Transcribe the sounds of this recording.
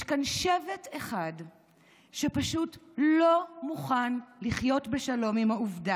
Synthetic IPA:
ʃkanʃevete̞χad | ʃepaʃutlo̞muχanliχjo̞tbe̞ʃalo̞mimhauvda

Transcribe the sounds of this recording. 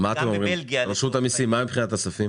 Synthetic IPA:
maːt̪emomʁimɡʁeʃut̪amisimamibpχinat̪asafim

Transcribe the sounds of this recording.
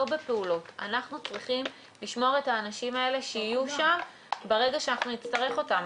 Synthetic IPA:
obepe̞ulo̞tanaχnut͡sʁiχim | liʃmo̞ʁe̞taːnaʃimae̞le̞ʃeijuʃam | beʁe̞ɡaʃeanaχnunit͡staʁe̞χo̞tam

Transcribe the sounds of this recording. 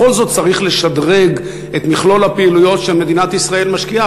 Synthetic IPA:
o̞lzo̞t̪̚t͡saʁiχle̞ʃad̪ʁe̞ɡ | et̪miχlo̞lhapeilujo̞tʃe̞lme̞d̪inat̪isʁae̞lmaʃkia

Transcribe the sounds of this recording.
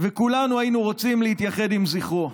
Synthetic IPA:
vekulanuajinuʁot͡simleit̪jaχe̞d̪imziχo

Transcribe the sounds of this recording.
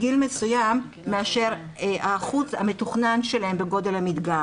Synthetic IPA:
ɡilmesujamː | eaʃe̞ʁ | aχut͡shame̞t̪uχnanʃe̞lae̞mbeɡo̞d̪e̞lhamid̪ɡa

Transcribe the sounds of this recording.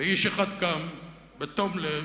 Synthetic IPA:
eiʃeχad̪kam | bet̪omle

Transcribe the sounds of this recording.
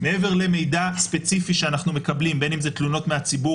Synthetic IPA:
meeve̞ʁle̞me̞jdaspe̞t͡sifiʃeanaχnume̞kɐblimbe̞nimzet̪luno̞tme̞at͡sibu

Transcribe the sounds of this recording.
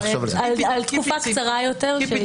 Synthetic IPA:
alalt̪kufakt͡saʁajot̪eʁʃe

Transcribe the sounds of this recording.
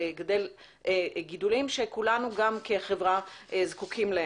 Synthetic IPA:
ɡd̪el | eɡid̪ulimʃekulanuɡamkeχevʁaezkukʰimle

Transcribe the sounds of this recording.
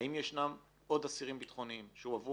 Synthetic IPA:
imjeʃnam | o̞d̪asiʁimbit̪χo̞niimʃeuavu

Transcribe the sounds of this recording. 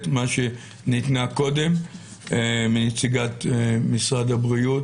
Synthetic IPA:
tmaʃe | nit̪nako̞d̪e̞m | minet͡siɡat̪misʁad̪abʁiut

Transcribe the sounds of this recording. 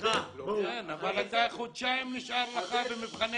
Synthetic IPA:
enavalat̪aχod̪ʃaimniʃaɾleχavemipχane

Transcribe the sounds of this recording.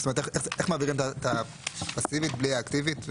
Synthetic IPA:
stomet̪eeχeχmaːviʁimtat̪a | pasivit̪bliaːkt̪ivit̪v

